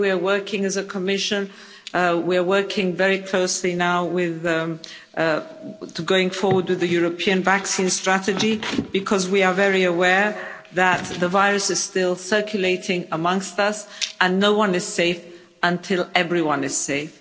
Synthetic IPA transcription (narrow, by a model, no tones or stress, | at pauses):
wiə˞wɜ˞kʰɪ̃ŋɨzəkʰəmɪʃɨ̃n | wiə˞wɜ˞kʰɪ̃ŋvɛɹikʰl̥oʊslinaʊwɪð | ɡoʊɪ̃ŋfɔɹwə˞d̚wɨðɨjʊɹɨpʰiɨ̃nvæksĩnstɹ̥æɾɨd͡ʒib̥ɨkʰʌzwiə˞vɛɹiɨwɛɹ | ðət̪̚ðəvaɪɹɨsɨz̥stɪlˠsɜ˞kʰjɨleɪɾɪ̃ŋəmʌ̃ŋkstʌsə̃nːoʊwʌ̃nɨz̥seɪf | ə̃ntʰɪlˠɛvɹiwʌ̃nɨz̥seɪf